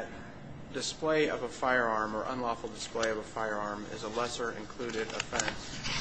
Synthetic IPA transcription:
t̚ | d̥ɨspleɪʌvəfaɪə˞ɑɹmə˞ʔə̰̃nlɔfl̩ˠdɨspleɪʌvəfaɪə˞ɑɹmɪ̰zəlɛsə˞ʔɨ̰̃nkʰl̥ʉɾɪɾə̰fɛ̃ns

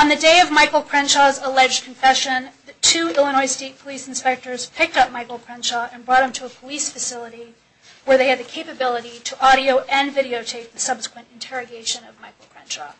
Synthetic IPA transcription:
ə̃nðɨdeɪʌvmaɪkl̩ˠpʰɹ̥ɛ̃nʃɑzəlɛd͡ʒkʰɨ̃ɱfɛʃɨ̃nðɨtʰʉɪlˠə̃ñɔɪsteɪt̚pʰəlisn̩spɛk̚tə˞z̥pʰɪk̚tʌp̚maɪkl̩ˠpʰɹ̥ɛ̃nʃɑɨ̃nbɹɔɾ̚ɨ̃mtʰəːpʰəlisfɨsɪlˠəɾi | wə˞ðeɪɨd̪̚ðɨkʰeɪpɨbɪlˠəɾiɾəʔɑɾioʊʔɨ̃nvɪɾioʊtʰeɪk̚ðɨsʌb̥sə̥kʰwɨ̃ntɨ̃ntʰɛɹɨɡeɪʃɨ̃nʌvmaɪkl̩ˠpʰɹ̥ɛ̃nʃɑ̰

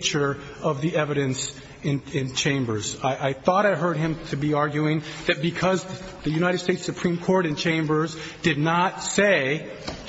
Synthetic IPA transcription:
t͡ʃə˞ | ʌvðiɛvɨɾɨ̃ns | ɨ̃nɪ̃nt͡ʃʰẽɪ̃mbə˞zaɪʔaɪθɔɾaɪɦɜ˞d̚ɨ̃mtʰɨbiɑɹɡjʉɪ̃ŋðɨt̚b̥ɨkʰʌz | ðɨjʉñaɪɾɨd̥steɪtsɨpʰɹ̥ĩmkʰɔɹɾɨ̃nt͡ʃʰẽɪ̃mbə˞z | d̥ɨdⁿnətseɪ

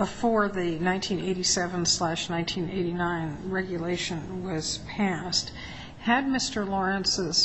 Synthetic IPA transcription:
b̥əfɔɹðɨnãɪ̃ntʰĩneɪɾisɛvə̃nslæʃnãɪ̃ntʰĩneɪɾinãɪ̃nɹɛɡjɨleɪʃɨ̃nwʌz̥pʰæst̚ | hɨd̚mɪstə˞lɔɹɨ̃nsɪz̥

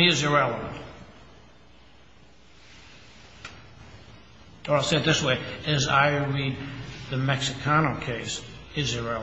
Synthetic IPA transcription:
iɨzɨt̚ɹɛlˠəvə̰̃nt | əaɪseɪd̪̚ðɪsweɪɨza̰ɪɹid̪̚ðɨmɛksɨkʰɑnoʊkʰeɪsɪzɨtɹɛ

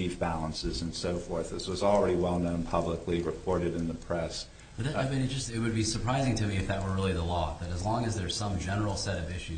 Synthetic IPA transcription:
ivbælˠə̃nsɨzɨ̃nsoʊfɔɹθɨzwʌzl̩ˠɹɛɾiwɛlˠnõʊ̃npʰʌbləkliɹɨpʰɔɹɾɨɾɨ̃nðɨpʰɹ̥ɛs | bʌðɨtɨbɨ̃nt̚d̥ʒ̥ʌstɪt̚wɨd̚bisə˞pʰɹ̥aɪzɪ̃ŋtʰɨmiɨfðɨt̚wə˞ɹɪlˠiðəlɔðɨɾɨzlɔ̃ŋɨzðə˞z̥sʌ̃md͡ʒɛnə˞l̩ˠsɛɾʌvɪʃʉ

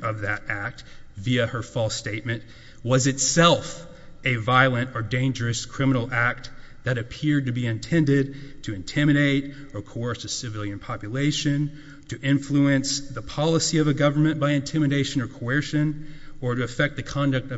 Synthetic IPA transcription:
ʔʌvðɨɾæk̚t̚viɨə˞fɔlˠsteɪt̚mɨ̃nʔ | wʌzɨtsɛlˠf | ɨvaɪlˠɨ̃ntə˞dẽɪ̃nd͡ʒə˞ɨskʰɹ̥ɪmnl̩ˠæk̚t̪̚ðɨɾɨpʰɪɹd̚tɨbiɨ̃ntʰɛ̃ndɪd̚tʰɨɨ̃ntʰɪ̃mɨɾeɪɾ | ə˞kʰoɔ˞sɨsɨvɪlˠjɨ̃npʰɑpjɨleɪʃɨ̃n | tʰɨʔɪ̃ɱfluɨ̃nsðəpʰɑlˠəsiʌvɨɡʌvə˞mɨ̃nb̥aɪɨ̃ntʰɪ̃mɨɾeɪʃɨ̃nə˞kʰoɜ˞ʃɨ̃nə˞ɾɨːfɛk̚t̪̚ðɨkʰɑ̃ndɨk̚tʌ

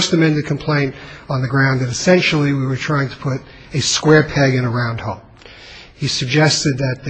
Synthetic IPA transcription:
stɨmɛ̃ndɨd̚kʰmpʰl̥ẽɪ̃ntn̩ðɨɡɹãʊ̃nðɨ̃ɾɨsɛ̃nʃl̩ˠiwiwə˞tʰɹ̥aɪɪ̃ŋtʰə̥pʰʊɾ | ɨskwɛɹpʰæɡɨ̃nəɹãʊ̃nd̚hɔlˠ | hisɨɡ̚d͡ʒɛstɨd̪̚ðɨt̪̚ðɨ

